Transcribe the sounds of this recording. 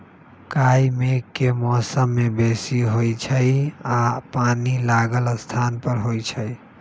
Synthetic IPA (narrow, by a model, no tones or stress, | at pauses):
kaimekkːemɔsəmːebesiɦojt͡ʃʰəjapanilaɡələst̪ʰanpəɾɦojt͡ʃʰəj